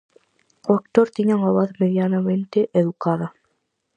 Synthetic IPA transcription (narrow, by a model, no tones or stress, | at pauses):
ok̚t̪oɾt̪iɲaŋaβaðmeðjanamẽnt̪eʔeðukaða